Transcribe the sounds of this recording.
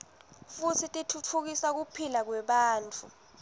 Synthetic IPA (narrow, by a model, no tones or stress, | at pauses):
futʰitʼitʰutʰuk̬isak̬upʰilak̬wɛɓaːnt͡fʰʼu